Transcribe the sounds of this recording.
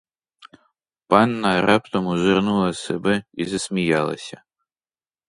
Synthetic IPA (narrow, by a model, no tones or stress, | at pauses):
panːarʔapt̪ʰomuʒɨrnulˠɐsɐbɨizɐsmʲijalˠɐ̰sʲɐ